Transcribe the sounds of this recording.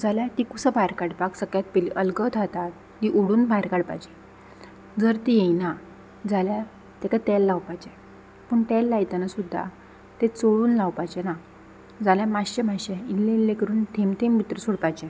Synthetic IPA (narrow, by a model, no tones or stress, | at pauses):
d͡zaljat̪ikusəbʱajɾkaɽpaksəkjat̪̚peliʔəlɡət̪ʰat̪at̪̚ | hiʔoɽuːnbʱajɾkaɽpa̰jd͡ʑɛ | d͡zəɾt̪ijejna | d͡zalja | t̪ekat̪ɛlːawpajd͡ʑɛ | pəɳʈ̪ɛlːajt̪anasud̪ʱːa̰ | t̪et͡soɭuːnlawpajd͡ʑɛna | d͡zaljamaɕemaɕeilːelːekəɾuːnt̪ʰemt̪ʰembʱit̪ɾəsuɽpajd͡ʑɛ